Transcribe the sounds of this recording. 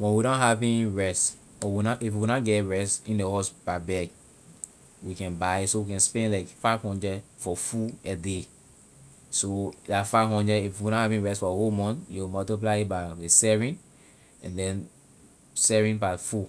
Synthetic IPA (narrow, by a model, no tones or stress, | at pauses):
wɛ̃nwiɾɔ̃ɦavĩnɹɛst | ɔwinaʔifwinaɡɛɹɛstĩndehɔsb̥abɛɡ | wikɛ̃nbaɪsowikɛ̃nspɛ̃nlaɪkfaɪvhɔ̃ndɹɛdfɔfuɛde | sodafaɪvɦɔ̃ndɹɛifwinɔ̃havĩɹɛstfɔhomɔ̃njumɔtip̬laitbaesɛɹĩn | ɛ̃ndɛ̃n | sɛɹĩnbafu